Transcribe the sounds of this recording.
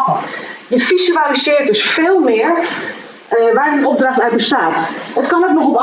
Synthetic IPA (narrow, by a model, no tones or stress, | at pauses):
dəfisyaːlisɪːrtəsfeːlˠmɪər | ʋɛjdənɔp̚draxtaɥt̚bəstaːtətkɔnɛt̚nɔxɔp